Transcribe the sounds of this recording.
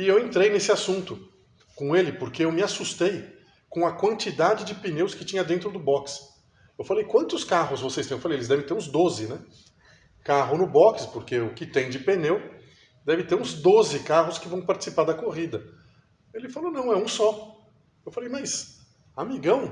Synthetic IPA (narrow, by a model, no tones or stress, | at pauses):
ɪewẽnt̪ɾejnesɪasũnt̪ʊ | kõelɪpoɾkeewmɪasust̪ej | kõɐkwɐ̃nt͡ʃid̪ad͡ʒɪd͡ʒɪpinewskɪt͡ʃĩɲɐd̪ẽnt̪ɾʊd̪ʊbɔks | ewfalejkwɐ̃nt̪ʊskaɦʊzvosest̪ewfalejelɪzd̪ɛvẽj̃t̪eɾũzd̪ozɪnɛ | kaɦʊnʊbɔkspoɾkeʊkɪt̪ẽj̃d͡ʒɪpenew | d̪ɛvɪt̪eɾũzd̪ozɪkaɦʊskɪvɐ̃w̃paɾt͡ʃɪ̥sipaɾd̪ɐkoʁid̪ɐ | elɪfalonɐ̃w̃ɛũsɔ | ewfalejmajs | amiɡɐ̃w̃